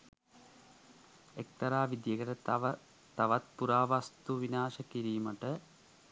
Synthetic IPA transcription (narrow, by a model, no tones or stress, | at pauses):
ek̚t̪ɐɾaːʋid̪jeɡəʈə | t̪ɐʋɐt̪̚puɾaːʋast̪uʋinaːʃɐkiɾiːməʈə